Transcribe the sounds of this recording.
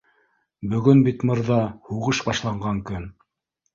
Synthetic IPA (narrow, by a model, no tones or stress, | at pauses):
bɵ̆ɡɵnbit̪mɤ̆ɾðɑhuʁɤʃbɑʃlˠɑɴɢɑŋkɵn